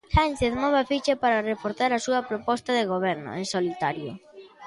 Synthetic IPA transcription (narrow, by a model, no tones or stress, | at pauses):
sant͡ʃeðmɔβafit͡ʃapaɾɐrefoɾθaɾasuɐpɾopɔst̪ɐðeɣ̞oβ̞ɛɾnʊ̰ensolit̪aɾjʊ̰